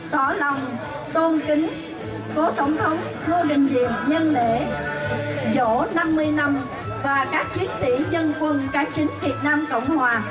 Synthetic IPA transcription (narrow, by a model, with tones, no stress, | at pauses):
t̪wa˧˩la˨˩wŋ͡m | t̪o˧nkï˨˦ŋ̟ | fo˨˦t̪ə˧˩wŋ͡mt̪ʰə˨˦wŋ͡m | vo˧ɗï˨˩ŋ̟zḭ˧˨əɲə˧nlḛ˧˨ | zo˧˥na˧mːɨ˧əjna˧m | vaː˨˩kaː˦˥k̚t͡ɕi˨˦ənsḭ˧˥ɲə˧nkwə˨˧˩nkaː˨˦jt͡ɕï˨˦ŋ̟vi˨˩ət̚naː˧mkə̰˧˩wŋ͡mhwaː˨˩